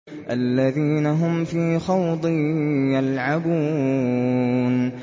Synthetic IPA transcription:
ʔalːaðiːnaɦʊmfiːxɑwd̪ˤɨjalʕabuː | n

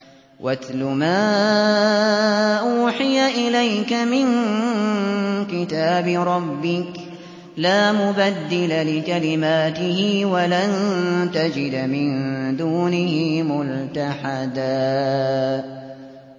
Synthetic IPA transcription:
wʔaθlʊmaː | ʔuːħɪjaʔɪlajkamɪn | kɪt̪aːbɾˤɑbːɪk | laːmʊbad̪ːɪlalɪkalɪmaːt̪ɪhɪwalant̪ad͡ʒɪd̪mɪnd̪uːnɪhɪmʊlt̪aħad̪aː

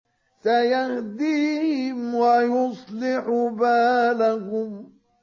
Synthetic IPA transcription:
sajahd̪iːhɪmwajʊsˤlɪħʊbaːlakʊm

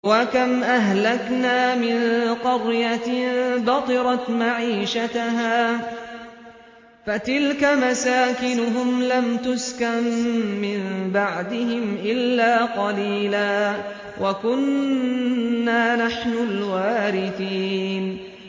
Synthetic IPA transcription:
wakamʔaɦlaknaːmɪnqɑɾjat̪bɑqɨɾˤɑt̪maʕiːʃat̪aɦaː | fat̪ɪlkamasaːkɪnʊɦʊmlamt̪ʊskanːɪnbaʕd̪ɪhɪmʔɪlːaːqɑliːlaː | wʔakʊn | aːnaħnʊlwaːɾɪθiːn

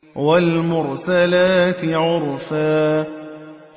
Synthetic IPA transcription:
walmʊɾsalaːt̪ɪʕʊɾfaː

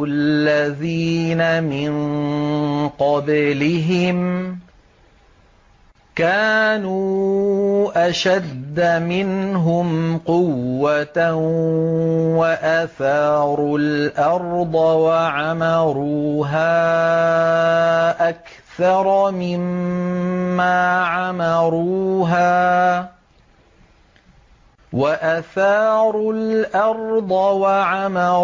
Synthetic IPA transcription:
llːaðiːnamɪn | qɑblɪɦɪm | kaːnuː | ʔaʃad̪ːamɪnɦʊmqʊwːat̪ | waʔaθaːɾˤʊlʔɑɾˤd̪ˤɑwaʕamɑɾuːɦaː | ʔak | θɑɾˤmɪmː | aːʕamɑɾuːɦaː | waʔaθɑːɾˤʊlʔɑɾˤd̪ˤɑwaʕamɑ

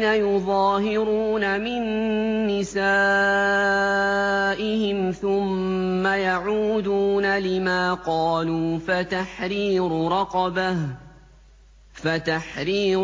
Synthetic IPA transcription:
najʊðˤɑːɦɪɾuːnamɪnː | ɪsaː | ʔɪhɪmθʊmːajaʕuːd̪uːnalɪmaːqɑːluːfat̪aħɾiːɾɾˤɑqɑbah | fat̪aħɾiːɾ

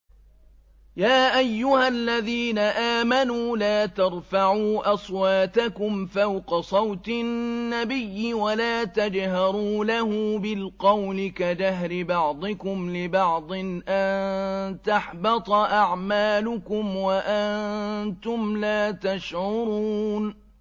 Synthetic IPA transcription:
jaːʔajːʊhalːaðiːnaʔaːmanuːlaːt̪ɑɾˤfaʕuːʔɑsˤwaːt̪akʊmfawqɑsˤɑwt̪ɪnnːabɪjːɪwalaːt̪ad͡ʒhɑɾuːlahuːbɪlqɑwlɪkad͡ʒaɦɾɪbɑʕd̪ˤɨkʊmlɪbɑʕd̪ˤɨnʔant̪aħbɑt̪ˤɑʔaʕmaːlʊkʊmwaʔant̪ʊmlaːt̪aʃʕʊɾuːn

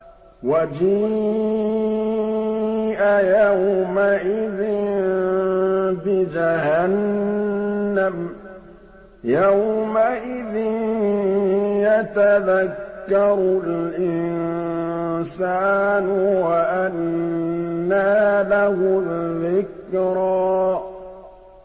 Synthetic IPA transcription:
wad͡ʒi | ʔajawmaʔɪðɪ | bɪd͡ʒahanː | am | jawmaʔɪðɪn | jat̪aðakːɑɾˤʊlʔɪn | saːnʊwaʔanː | aːlahʊðːɪkɾɑː

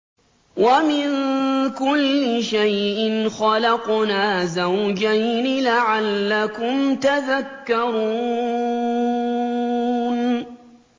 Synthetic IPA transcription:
wamɪnkʊlːɪʃajʔɪnxɑlɑqnaːzawd͡ʒajnɪlaʕalːakʊmt̪aðakːɑɾuː | n

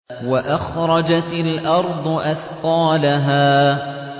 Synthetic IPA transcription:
waʔaxɾˤɑd͡ʒat̪ɪlʔɑɾˤd̪ˤʊʔaθqɑːlaɦaː

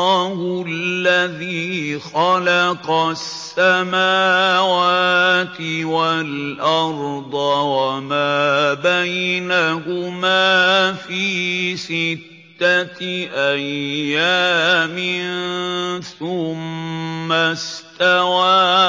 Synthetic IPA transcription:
hʊlːaðiːxɑlɑqɑsːamaːwaːt̪ɪwalʔɑɾd̪ˤɑwamaːbajnahʊmaːfiːsɪt̪ːaʔajːaːmɪnθʊmː | ast̪awaː

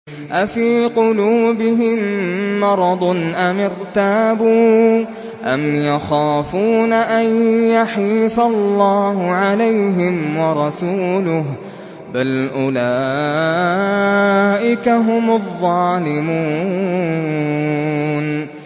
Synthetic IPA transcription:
ʔafiːqʊluːbɪɦɪmːɑɾˤɑd̪ˤnʔamɪɾt̪aːbuː | ʔamjaxaːfuːnaʔajjaħiːfalːɑːɦʊʕalajɦɪmwɑɾˤɑsuːlʊh | balʔʊlaː | ʔɪkaɦʊmʊðˤːɑːlɪmuː | n

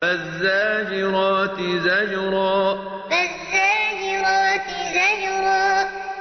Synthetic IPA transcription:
azːaːd͡ʒɪɾˤɑːt̪ɪzad͡ʒɾˤɑː | bazːaːd͡ʒɪɾˤɑːt̪ɪzad͡ʒɾˤɑː

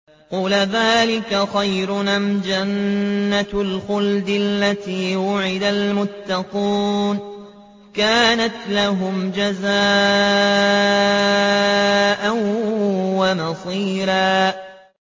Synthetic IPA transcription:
quːlaðaːlɪkaxajɾʊnamd͡ʒanːalxʊld̪ɪlːat̪iːwʊʕɪd̪almʊt̪ːɑquːn | kaːnat̪laɦʊmd͡ʒaza | ʔan | wamɑsˤiːɾaː

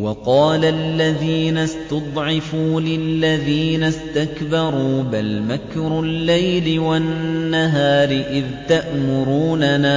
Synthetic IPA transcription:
wɑqɑːlalːaðiːnast̪ʊd̪ˤʕɪfuːlɪlːaðiːnast̪akbɑɾˤuːbalmakɾʊlːajlɪwanːaɦaːɾɪʔɪðt̪aʔmʊɾuːnanaː

